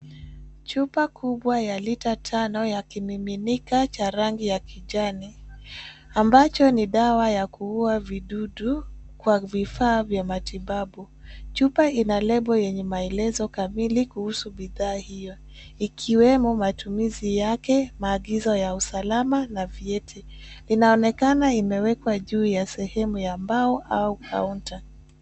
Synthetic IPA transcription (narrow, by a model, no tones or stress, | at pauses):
t͡ʃupakʰuɓwajalitatʰanɔjakimiminikat͡ʃaɾaŋɡijakiʄani | ambat͡ʃɔniɗawajakuuaviɗuɗukwavifaːvjamatiɓaɓu | t͡ʃupainalɛbɔjɛɲɛmaɛlɛzɔkamilikuhusuɓiðaːhijɔ | ikʰiwɛmɔmatumizijakɛmaːɠizɔjausalamanaviɛtʰɛ | linaɔnɛkanaimɛwɛkwaʄuːjasɛhɛmujambaɔʔaukʰa̰unta